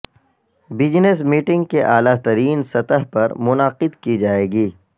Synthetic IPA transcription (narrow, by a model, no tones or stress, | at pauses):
bɪd͡ʒnes̬miːʈɪ̃ŋɡ̚keʔaːlaːt̪ɐɾiːnsɐt̪əɦpɐɾmʊnaqɪd̪kid͡ʒaːeːɡiː